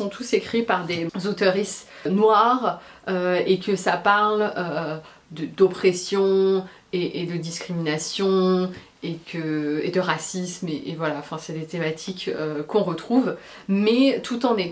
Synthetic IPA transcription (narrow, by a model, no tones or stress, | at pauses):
sɔ̃t̪ʰusekχipaʁd̪ezot̪əʁisnwaʁ | øekəsapaʁlø | d̪əd̪ɔpχɛsjɔ̃ | eʔed̪əd̪iskχiminasjɔ̃ | ekʰəed̪əʁasismeʔevwalaɑ̃fɛ̃sɛd̪et̪emat̪ʰikøkɔ̃ʁət̪χuv | mɛt̪ʰut̪ɑ̃ne